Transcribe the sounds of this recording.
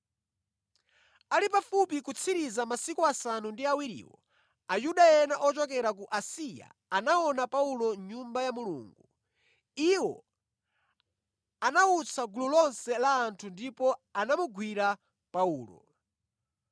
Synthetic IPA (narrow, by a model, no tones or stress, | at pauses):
alipafupikut͡sʰiɾizamasikuasanundiawiɾḭːwɔ̰ | ajuɗajɛnaʔɔt͡ʃɔkɛɾak̬uʔasija̰ | anaɔnapaulɔɲumbajamulṵːŋɡu | iwɔ̰ | anaut͡sʰaɡululɔnsɛlaːntʰundipɔanamuɡwiɾa | pauːlɔ̰